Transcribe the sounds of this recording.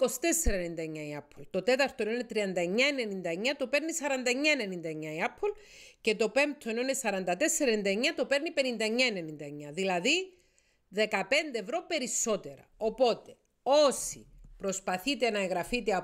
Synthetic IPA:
ko̞si̥t̪e̞sːeɾɐenind̪ɐeɲːɐiɐpʰːolt̪ot̪e̞t̪ɐɾt̪onoinet̪ɾiɐnd̪ɐeɲːɐene̞nind̪ɐeɲːɐt̪ope̞ɾnisɐɾɐnd̪ɐeɲːɐene̞nind̪ɐeɲːɐiɐpʰːol | ce̞t̪o̞pe̞mp̚t̪ʰoenoinesɐɾɐnd̪ɐt̪esːeɾɐenind̪ɐeɲːɐt̪o̞pe̞ɾnipe̞nind̪ɐeɲːɐene̞nind̪ɐeɲːɐðilɐði | ðe̞kɐpe̞nd̪e̞evɾo̞pe̞ɾiso̞t̪e̞ɾɐ̰o̞po̞t̪e̞ | o̞sipɾo̞spɐθit̪e̞nɐeɣɾɐfit̪eɐ

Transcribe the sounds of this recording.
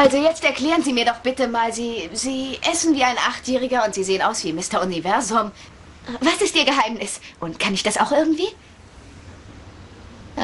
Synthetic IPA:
ʔalzojɛt͡stɛɐkl̥ɛːʁənziːmiːɐɾɔχb̥ɪtəmaːlziːziːʔɛsn̩viːaɪnʔaχtjɛːʁɪɡɐʊntz̥iːzeːənaʊsv̥iːmɪstɐʊnivɛɐzʊm | ʔvasɪst̚ʔiːɐɡəɦaɪmnɪsʔʊntkʰanɪçd̥asaʊxʔɪɐɡŋ̩tv̥iː

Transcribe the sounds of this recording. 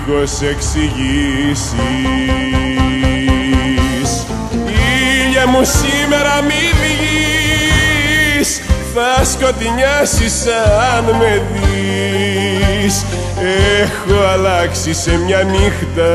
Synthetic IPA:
ko̞se̞ksiʝisi | s | iʎɐmusime̞ɾɐmiviʎi | s | θɐsko̞t̪iɲɐsisɐnme̞ði | s | exoɐlɐksisemɲɐmixt̪ɐ

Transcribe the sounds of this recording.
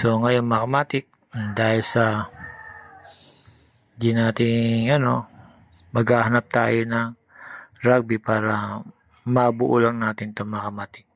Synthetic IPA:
soŋɐjonmɐkɐmaːt̪ɪk̚ | d̪aːhɪlsɐ | d͡ʒɪnaːt̪ɪŋɐno̞ | mɐɡaːɦɐnap̚t̪a̰ːjonɐŋ | ɾaɡ̚bɪpaːɾɐ | mɐbʊʔulaŋnaːt̪ɪnt̪oŋmɐkɐmaːt̪ɪk̚

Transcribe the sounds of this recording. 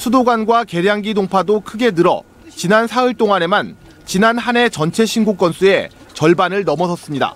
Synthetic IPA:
sʰudoɡanɡwake̞ɾjaŋɡidoŋpʰadokʰɯɡe̞nɯɾʌ̰ | t͡ɕinansʰaiɭt͈oŋane̞man | t͡ɕinanhane̞t͡ɕʌnt͡ɕʰe̞ɕʰinɡok͈ʌnsʰue̞ | t͡ɕʌɭbanɯɭnʌmʌsʰʌs͈ɯmɲida̰

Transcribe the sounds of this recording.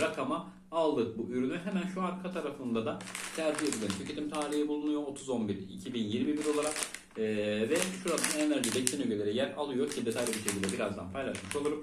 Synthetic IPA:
ɾakʰamaː | lˠd̪ɯk̚buʔyɾynyɦemænʃuaɾkʰat̪ʰaɾafɯnd̪ad̪asʰæɾd͡ʒijesʰilʲeint̪ʰycʰe̞t̪imt̪ʰaːɾiɦibulˠunujo̞ot̪ʰuzo̞nbiɾḭcʰibinjiɾmibiɾo̞lˠaɾakː | vɛʃuɾasɯnnenæɾd͡ʒib̪ɛcsʲinyɟølʲeɾɛjæɾa̰lˠɯjo̞cʰid̪e̞t̪ʰajlʲebiʃecʲilʲd̪ɛbiɾazd̪a̰npʰajlˠaʃmɯʃolˠuɾum

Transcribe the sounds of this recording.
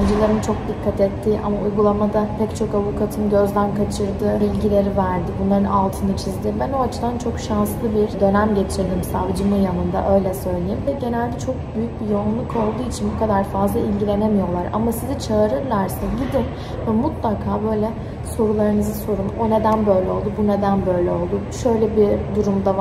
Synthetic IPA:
nd͡ʒilʲˠeɾɯnt͡ʃʰo̞k̚d̪ikʰːat̪ɛt̪ʰːiːʔa̰maujɡulˠamad̪apʰɛct͡ʃʰo̞kavukʰat̪ʰɯnɟø̞zlʲænkʰat͡ʃʰɯɾd̪ɯːbilʲɟilʲe̞ɾivæɾd̪ibunlˠaɾɯnalˠt̪ʰɯnɯt͡ʃʰizd̪ɪbænoat͡ʃʰɯd̪ant͡ʃʰo̞kʃanslˠɯbiɾ̥d̪ø̞næmɟe̞t̪ʰiɾd̪imsavd͡ʒɯmɯjanɯnd̪a̰ʔø̞jlʲɛsø̞jlʲejimvɛɟe̞nælʲd̪ɛt͡ʃʰo̞k̚byjyc̚bijounlˠukʰo̞lˠd̪uːit͡ʃʰinbukʰad̪aɾfazlˠailʲɟilʲe̞nemijo̞lˠaɾa̰masizɛt͡ʃʰaːɾɯɾlˠaɾsaɟid̪ɪm | vɛmut̪lˠakʰaːbø̞jlʲɛ | so̞ɾulˠaɾɯnɯzɯso̞ɾumo̞ne̞d̪ænbø̞jlʲɛo̞lˠd̪ubune̞d̪ænbø̞jlʲɛo̞lˠd̪uʃø̞jlʲɛbid̪uɾumd̪a

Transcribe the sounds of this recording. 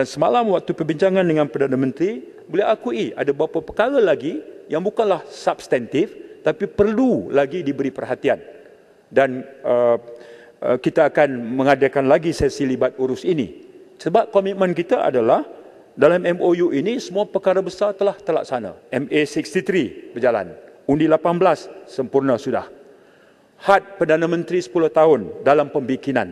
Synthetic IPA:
dansəmalamwak̚t̪upərbiɲt͡ʃaŋãndəŋanpərdanamə̃nt̪ɾi | boliaakuiʔa̰dabapapəkaɾalaɡijaŋbukanlahsapst̪ɛnt̪ɪft̪apipərlulaɡidibəɾipərɦat̪ian | danə̰ | kit̪aːkanmə̃ŋadakanlaɡisasilibat̪̚uɾʊsinḭsəbap̚komit̪̚mə̃nkit̪aʔa̰dalah | dalamɛmojuʔinisəmũapərkaɾabəsart̪əlaht̪əla̰k̚sana̰ɛmesikst̪it̪ɾibərd͡ʒala̰nundilapanbəlasːəmpurnasuda̰h | hat̪̚pərdanamə̃nt̪ɾisə̥pulʊht̪aʊndalampəmbikina̰n

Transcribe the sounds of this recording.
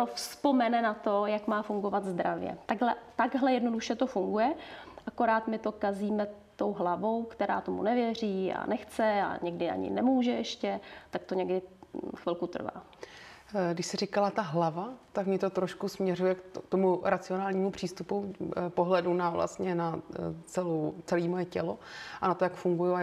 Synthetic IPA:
ofspo̞mɛnɛnat̪o̞jakmaːfuŋɡo̞vat̪zd̪ɾavjɛ̰t̪aɡɦlɛt̪aɡɦlɛjɛdno̞duʃɛt̪o̞fuŋɡujɛʔako̞ɾaːt̪mɪt̪okaziːmɛt̪o̞wɦlavo̞wkt̪ɛɾa̰ːt̪o̞mṵnɛvjɛriːa̰nɛxt͡sɛa̰ɲɛɡdɪa̰ɲɪ̰nɛmuːʒɛʔɛʃcɛt̪ak̚t̪oɲɛɡdɪxʋɪlkut̪r̩va̰ː | ɡdɪʃsɪrikalat̪aɦlavat̪akmɲɛt̪o̞t̪ɾoʃkusmɲɛrujɛkt̪omuɾat͡sɪo̞naːlɲiːmupr̝̥iːst̪upupoɦlɛdunavla̰st̪ɲɛnat͡sɛlowt͡sɛliːmojɛcɛlo̞ʔanat̪ojakfuŋɡujua

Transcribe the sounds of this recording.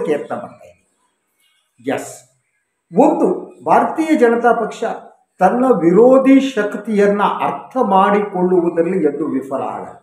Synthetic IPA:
keːɾt̪ɐmɐɳt̪a̰ːjd̪i | jɐs | ond̪ubʱaːɾɐt̪iːjɐd͡ʒɐnɐt̪aːpɐkʂɐ | t̪ɐnːɐʋiɾoːd̪ʱiʃɐkt̪ijɐnːɐʔɐɾt̪ʰɐmaːɽikoɭːuʋud̪ɐlːiend̪uʋifʰɐla̰ːɡɐ̰

